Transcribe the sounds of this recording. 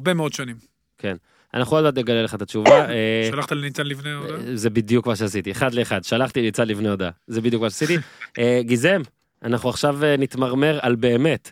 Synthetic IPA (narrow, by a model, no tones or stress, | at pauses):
abemeod̪ʃonim | ke̞n | a̰naχuodmat̪neɡaleleχat̪at͡ʃuvaealaχt̪alenit͡sanlivneoazebid̪jukmaʃ̬easit̪ieχad̪le̞eχad̪ʃalaχt̪init͡sadlifneod̪azebid̪jukmaʃeasit̪iʔeɡizem | anaχuaχʃavenit̪maʁme̞ʁalbe̞ːme̞t̪